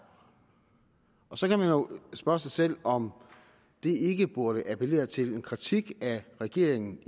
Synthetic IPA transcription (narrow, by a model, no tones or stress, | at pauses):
ʔɒ̽sɒ̽kʰæmænjo̝sb̥ɶɐsesel̰ɒ̽m | d̥e̝ʔe̝ɡ̥əb̥uɐɾ̥əʔæpʰele̝̰ːɐt͡sʰe̝le̝nkʰʁit͡sʰiɡ̥æʁɛɡ̥e̝̰ɐeŋn̩